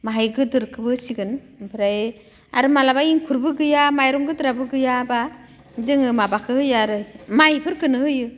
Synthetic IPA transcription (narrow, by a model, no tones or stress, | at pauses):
maɦajɡɯdɯɾkʰɯbɯsiɡɯn | bɯɾaj | a̰ɾɯmalabaiŋkʰuɾbɯɡɯjamajɾɔŋɡɯdɯɾabɯɡɯjaba | dɯŋɯmabakʰɯhɯjaɾɯmajipʰɯɾkɯnɯhɯjɯ